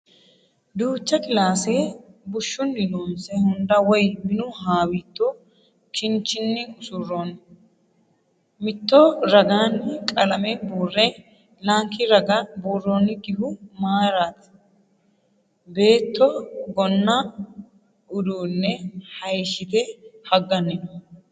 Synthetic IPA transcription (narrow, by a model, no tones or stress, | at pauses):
d̪uːt͡ʃːɐkɪlaːseːbʊʃːʊnːɪnoːmsɛhʊnd̪ɐwɔjmɪnʊɦaːwit̪ːo | kɪnt͡ʃːɪnːɪʊsʊrːoːn | mɪt̪ːoːɾɐɡaːnːɪkʼɐlɐmɛbuːrːɛ | laːŋkːɪɾɐɡɐbuːrːoːnːɪɡɪhʊmaːɾaːt̪ɐ̥ | be̞ːt̪ːɔɡɔnːa | ʊd̪uːnːɛhɐjʃɪt̪ɛhɐɡːɐnːɪnɔ